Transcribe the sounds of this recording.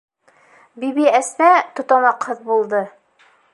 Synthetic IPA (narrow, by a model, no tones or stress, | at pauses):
bibiæsnæt̪ŏt̪ɑmɑqhɤðbulˠd̪ɤ